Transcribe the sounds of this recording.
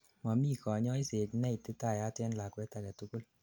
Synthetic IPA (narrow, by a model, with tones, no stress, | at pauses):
ma˨mi˦kɔ˨ɲɔ˦i˦se˨tnɛ˦ite˦ta˨ja˦tɛ˦nla˨kwɛ˦ta˨kɛ˨tu˦ko˦l